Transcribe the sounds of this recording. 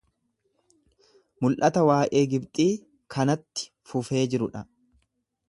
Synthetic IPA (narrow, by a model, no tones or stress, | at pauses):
mʊlʔɐt̪ɐwaːʔe̞ːɡɪbt̪ʼiː | kʰɐnɐt̪ːɪ̥ | fʊfe̞ːd͡ʒɪɾʊᶑɐ